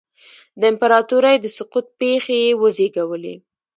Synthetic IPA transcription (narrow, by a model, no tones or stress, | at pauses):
d̪əɪmpaɾɑt̪uɾajd̪əsʊqut̪̚pexejewəzeɡawəlḛ